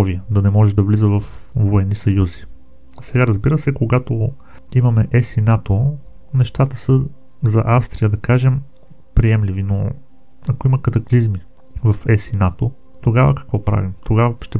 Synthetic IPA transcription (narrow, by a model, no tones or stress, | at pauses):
viəd̪ɐnɛmɔʒɛd̪ɐvlizəvɐfvoɛnːisɐjuzi̥ | sɛɡaɾəzbiɾəsɛkoɡat̪o | imɐmɛʔɛsinat̪o | nɛʃt̪at̪əsə | zɐʔafst̪ɾijəd̪ɐkaʒɛm | pɾiɛmlivino | ɐkoimɐkɐt̪ɐklizmi | vɐfɛsinat̪o | t̪oɡavə̰kɐ̥kvɔpɾa̰vimt̪oɡavəʃt̪ɛ